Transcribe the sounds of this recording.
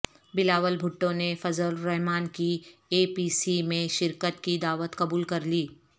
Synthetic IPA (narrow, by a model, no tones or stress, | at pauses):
bɪlaːʋəlbʱʊʈːõnefɐzəlɾɛɦmaːnkieːpiːsimẽʃɪɾkət̪kid̪aːʋət̪kɐbuːlkɐɾliː